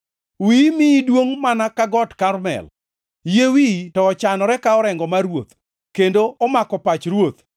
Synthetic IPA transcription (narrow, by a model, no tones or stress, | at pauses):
wimidwoŋmanakaɡɔtkarmɛ̰l | jewitɔːt͡ʃanɔɾɛkaɔɾɛŋɡɔmaɾwot̪ | kendoʔɔmakɔpat͡ʃɾwot̪